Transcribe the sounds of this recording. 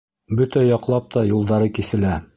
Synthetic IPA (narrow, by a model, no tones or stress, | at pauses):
bɵt̪æjɒqlˠɑp̚t̪ɑjulˠd̪ɑɾɤkisɘ̆læ